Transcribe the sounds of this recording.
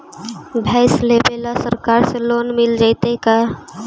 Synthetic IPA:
bʱɛːslebelasəɾkaːɾseloːnmɪld͡ʒaɪt̪eka

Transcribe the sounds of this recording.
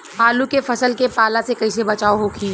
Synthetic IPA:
ɦaːlukefɐsəlkepaːlasekɐis̬ebɐt͡ʃaːoɦokʰiː

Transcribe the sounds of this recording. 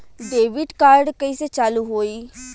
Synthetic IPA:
ɖeːʋɪɖkaːɾɖkəiːseːt͡ʃaːluːɦoːiː

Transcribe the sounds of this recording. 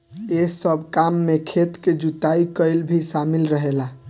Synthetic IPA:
eɦsəbʱkamːekʰet̪ked͡ʒut̪aikəjlbʱisamilɾəɦela

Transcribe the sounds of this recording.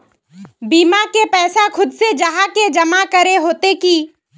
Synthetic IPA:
biːmakepɛːsakʰʊd̪sed͡ʒəɦaked͡ʒɐmakəɾeɦoːt̪ekiː

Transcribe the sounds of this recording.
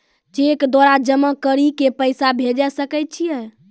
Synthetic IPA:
t͡ʃekd̪waɾad͡ʒəmakəɾikepəjsabʱed͡ʒɛsəkɛt̚t͡ʃʰijɛ

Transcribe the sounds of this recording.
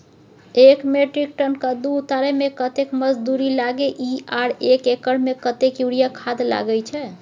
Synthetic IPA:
ekmeʈɾik̚ʈənkad̪uut̪aɾɛmekət̪ekməd͡ʒd̪uɾilaɡeʔiaɾekekəɽmekət̪ekjuɽijakʰad̪la̰ɡɛjt͡ʃʰɛ

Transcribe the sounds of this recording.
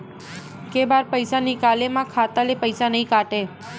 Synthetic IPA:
kebaɾpəjsanikalemãkʰat̪alepəjsanəɦĩkaʈe

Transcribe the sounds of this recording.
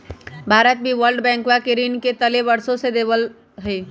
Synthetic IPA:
bʱaɾət̪̚biʋəɾlɖbɛ̃ŋkwakeɾinket̪əlebəɾsõsed̪ebəl | ɦəj

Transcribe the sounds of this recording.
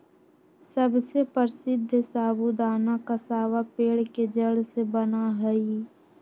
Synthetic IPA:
səbsepəɾsɪd̪ʱːsaːbud̪aːnakasaːʋapeːɽked͡ʒəɽsebənaɦɛi

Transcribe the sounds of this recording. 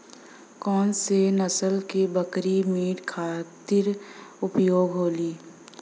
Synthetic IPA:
kɔːnsenəsəlkebəkɾimiːʈkʰaːt̪ɪɾʊpjoːɡɦoːliː

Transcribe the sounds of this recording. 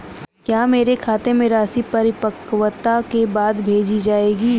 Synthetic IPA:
kjaːmeːɾekʰaːt̪emẽɾaːsipɐɾɪpəkʋət̪akebaːd̪bʱeːd͡ʒid͡ʒaːeːɡiː

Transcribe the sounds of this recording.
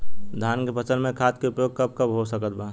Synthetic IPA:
d̪ʱaːnkepət͡ʃənmẽkʰaːt̪̚keʊpjoːɡ̚kɐb̚kɐbɦosəkət̪̚baː

